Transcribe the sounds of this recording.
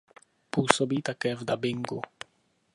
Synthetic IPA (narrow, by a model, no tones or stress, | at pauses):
puːsɔbit̪akɛːvd̪abɪŋɡu